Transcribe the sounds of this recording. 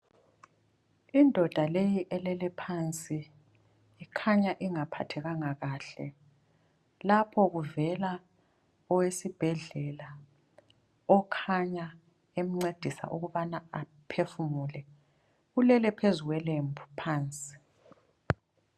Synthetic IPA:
indʱɔd̥ʱalejiʔɛlɛlɛpʰant͡sʼiː | kʰaɲaʔiŋapʰa̰tʰɛɣaŋaɣaɬɛ | lapʰɔɣuvɛla | ɔwesib̥ʱɛɮɛla | ɔkʰaɲa | em̩ŋ͡ǀed̥ʱisa̰ʔuɣuβanaa | pʰefumulɛ | ɣulɛlɛpʰezuɣwɛlembʱupʰaːnt͡sʼi̥

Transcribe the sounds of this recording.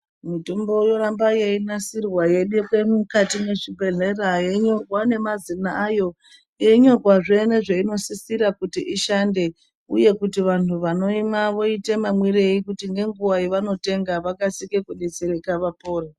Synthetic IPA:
mito̞mbo̞jo̞ɾambajeinasirwaje̞ɗekwemukatime̞ʐibʱe̞ɮerajeɲoɡʱwane̞mazinaːjo̞ | jeɲo̞rwaʐeneʐeino̞sisiɾakutiʔiʃande̞ | uje̞kutiʋan̤uʋano̞imaʋo̞itemamwire̞ikutiŋɡe̞ŋɡuwaiʋano̞te̞ŋɡaʋakasikekuɗet͡seɾekaʋapo̞ːre

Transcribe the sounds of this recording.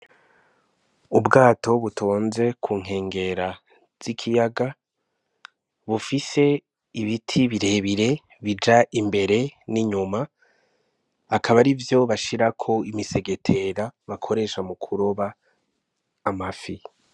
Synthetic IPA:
ubɡaːtʰo̞βutʰoːnze̞kʰuːŋ̥e̞ːŋɡe̞ɾa | z̥ikʰijaɡa | βufise̞ | iβitʰiβiɾe̞ːβiɾe̞ | βid͡ʒaʔimbe̞ɾe̞niɲuma | akaβaɾivjo̞βaʃiɾakʰo̞imise̞ɡe̞tʰe̞ɾaβakʰo̞ɾe̞ʃamukʰuɾoβa | mafi

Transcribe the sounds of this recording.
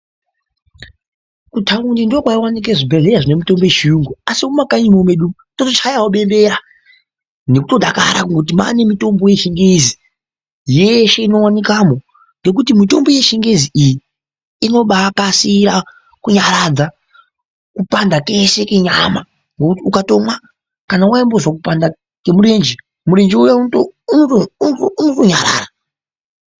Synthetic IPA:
kutʰaundindiokwaiwanik̬eʐibʱeɮeɾaʐine̞mito̞mbojeʃiuŋɡuasiumakaɲimomeɗu | totot͡ʃajawoɓe̞mbe̞ɾa | ne̞kutoɗaka̰ɾa̰kuŋɡeut̬ima̰ne̞mito̞mbo̞jeʃiŋɡezi | jeʃe̞ino̞wanikamo̞ | ŋɡe̞k̬utimito̞mbo̞jeʃiŋɡeziiji | ino̞ɓakasiɾa | kuɲaɾad͡za | kupandake̞se̞keɲama | ŋɡokutiukato̞mwa | kanauaimbo̞zwakupanda | ke̞muɾe̞nd͡ʒi | muɾe̞nd͡ʒiujatooounoto̞ɲaɾa̰ːra

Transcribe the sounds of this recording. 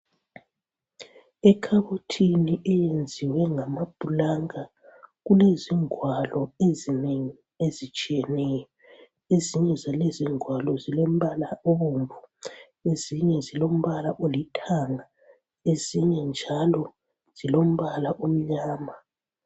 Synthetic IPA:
ɛkʰaβotʰiniʔɛjend͡zʱiwɛŋamab̥ʱulaŋa | ɣuleziŋwalɔezineŋi | ezit͡ʃʼijɛnɛjɔ | eziɲɛzaleziŋʱwalɔzilom̩βalaoβuɱvu | eziɲɛzilom̩βalaʔolitʰaŋa | eziɲɛnd͡ʒʱalɔ | z̥ilom̩βalaʔom̩ɲaːma

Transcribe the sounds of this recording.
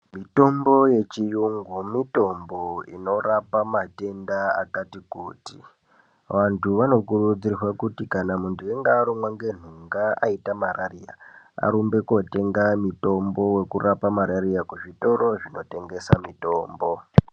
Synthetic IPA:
mito̞mbo̞je̞t͡ʃijuŋɡumito̞mboḭno̞rapamate̞ndaa̰katikṵːtḭ | ʋantʰuʋano̞kuɾud͡zirirwakutikanamundueŋɡaːɾomwaŋɡe̞n̤uŋɡaa̰itamarʔarija̰ | a̰ɾumbe̞ko̞te̞ŋɡamito̞mbo̞we̞kurapamaɾaɾijakuʐito̞ɾo̞ʐino̞te̞ŋɡe̞samito̞ːmbo̞

